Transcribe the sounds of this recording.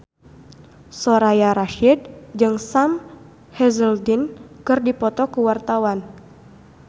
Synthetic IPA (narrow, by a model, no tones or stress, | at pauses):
soɾajaɾaʃid̚d͡ʒɨŋsam | hɛzəldinkɨrdipɔt̪ɔkuwart̪awan